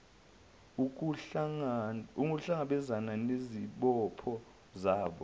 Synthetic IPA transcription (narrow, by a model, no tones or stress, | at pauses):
u | uŋuɬaŋaɓɛzananeziɓɔpʰɔ | zaːɓɔ